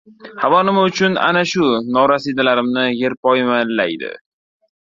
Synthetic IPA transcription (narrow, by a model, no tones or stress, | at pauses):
havɒnɪmaʊt͡ʃʰʊna̰naʃʊnɒɾasid̪alaɾɪmnɪje̞ɾpɒjmanlajd̪ɪ̰